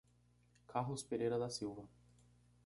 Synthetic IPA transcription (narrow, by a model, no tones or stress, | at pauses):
kʰaɦʊspeɾejɾɐd̪ɐsiwvɐ